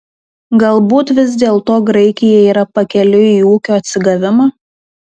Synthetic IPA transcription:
ɡɐlˠbuːt̪ʋʲɪz̬d̪ʲeːlˠt̪oːɡɾɐɪkʲɪjɛiːɾɐpɐkʲɛlʲʊiːuːkʲoːɐt̪ʲsʲɪɡɐʋʲɪmɑː

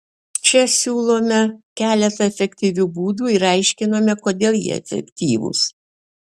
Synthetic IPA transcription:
t͡ʃʲɛsʲuːlˠoːmʲɛkʲæːlʲɛt̪ɐɛfʲɛkʲt̪ʲiʋʲuːbuːd̪uːɪɾɐɪʃʲkʲɪnoːmʲɛkoːd̪ʲeːlˠjḭɛ̰fʲɛ̰kʲt̪ʲiːʋʊ̰s

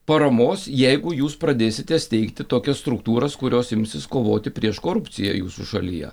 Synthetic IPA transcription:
pɐɾɐmoːsjɛɪɡʊjuːspɾɐd̪ʲeːsʲɪt̪ʲɛsʲt̪ʲɛɪkt̪ʲɪt̪oːkʲɛsst̪ɾʊkt̪uːɾɐskʊɾʲoːsɪmʲsʲɪskoːʋoːt̪ʲɪpʲɾʲiɛʃkoːɾʊpʲt̪sʲɪjɛ̰juːsṵʃɐlʲḭjɛ̰

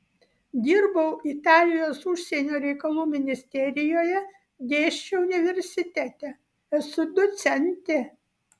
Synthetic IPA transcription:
d̪ʲiːɾbɐʊʔɪt̪ɑːlʲɪjoːsʊʃʲsʲɛnʲoːɾʲɛɪkɐlˠuːmʲɪnʲɪsʲt̪ʲɛɾʲɪjoːjɛ | ɡ̪ʲeːʃʲt͡ʃʲɛʊnʲɪʋʲɛɾʲsʲɪt̪ʲæt̪ʲɛ | ɛsʊd̪ɔt̪sʲɛnʲt̪ʲe

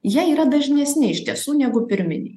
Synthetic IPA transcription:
jiɛiːɾɐd̪ɐʒʲnʲɛsʲnʲɪɪʃʲt̪ʲiɛsuːnʲɛɡʊpʲɪɾʲmʲɪnʲɪ̰

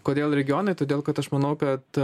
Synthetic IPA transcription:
koːd̪ʲeːlˠɾʲɛɡʲɪjoːnɐɪt̪oːd̪ʲeːlˠkɐt̪ɐʃmɐnɐʊkɐt̪

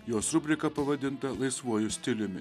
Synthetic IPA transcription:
joːsɾʊbʲlʲɪkɐpɐʋɐd̪ʲɪnt̪ɐlˠɐɪsʋuɔjʊsʲt̪ʲɪlʲʊmʲɪ

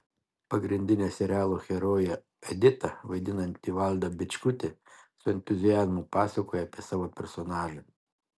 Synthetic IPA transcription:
pɐɡɾʲɪnʲd̪ʲɪnʲeːsʲɛɾʲæːlˠoːxʲɛɾoːjɛ | ɛd̪ʲɪt̪ɐʋɐɪd̪ʲɪnɐnʲt̪ʲiːʋɑlʲˠd̪ɐbʲɪt͡ʃʲkʊt̪ʲesʊɛnʲt̪ʊzʲɪjæzmʊpɑːsʲɐkoːjɛɐpʲiɛsɑːʋoːpʲɛɾsɔnɑːlʲʊ

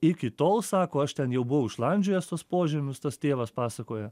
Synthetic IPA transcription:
ɪkʲɪt̪oːlˠsɑːkoːɐʃt̪ʲɛnjɛʊbʊʋɐʊɪʃlˠɐnʲd͡ʒʲʊjɛst̪ospoːʒʲɛmʲʊst̪ɐst̪ʲeːʋɐspɑːsɐkoːjɛ

